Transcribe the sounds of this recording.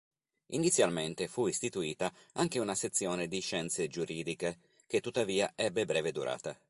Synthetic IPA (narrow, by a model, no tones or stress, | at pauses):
ḭnit̪sjalment̪efuist̪it̪uiːt̪aaŋk̟eunaset̪sːjɔːned̪iʃɛnt̪sed͡ʒuɾʔiːd̪ike | k̟et̪ːut̪ːaviːaʔɛbːebɾɛːved̪ṵɾʔa̰ːt̪a